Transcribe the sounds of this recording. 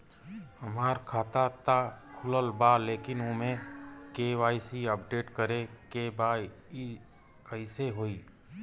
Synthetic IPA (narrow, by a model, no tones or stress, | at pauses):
əmaːɾkʰaːt̪at̪akʰʊləlbaleːkɪnoːmẽkeʋaːisiəp̚ɖeːʈkəɾekebaːi | kəiseɦoːiː